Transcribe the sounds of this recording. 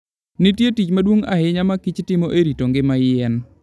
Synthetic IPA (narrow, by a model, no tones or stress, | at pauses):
nɪtjetit͡ʃmadwoŋa̰ɦɪɲamakit͡ʃtɪmoʔeɾitoŋɡɪmajɛn